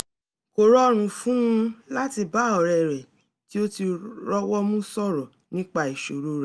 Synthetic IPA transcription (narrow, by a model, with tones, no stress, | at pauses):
ko˨ɾɔ˦ɾ̃ũ˨fũ˦ũ˧˦la˦ti˧ba˨˦˨ɔ˨ɾɛ˨ɾɛ˨ | ti˦o˦ti˧ɾɔ˦wɔ˦mũ˦sɔ˦˨ɾɔ˨ | nĩ˦k͡pa˦˨i˨ʃo˨ɾo˨˦ɾɛ˨